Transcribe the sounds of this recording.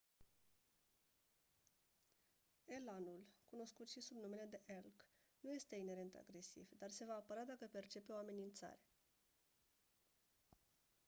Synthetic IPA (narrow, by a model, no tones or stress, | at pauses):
e̞lanulkuno̞skut̪ʃisubnume̞le̞d̪e̞ʔelk | nuje̞st̪e̞ine̞ɾe̞nt̪a̰ɡɾe̞sḭvd̪arse̞vaːpəɾad̪akəpe̞rt͡ʃe̞pe̞o̞ame̞nint̪sa̰ɾe̞̥